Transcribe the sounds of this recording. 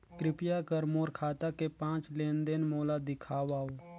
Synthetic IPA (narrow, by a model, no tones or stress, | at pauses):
kɾɪpjakəɾmoːɾkʰaːt̪akepãːt͡ʃlẽːnd̪enmoːlad̪ɪkʰaːwaːoː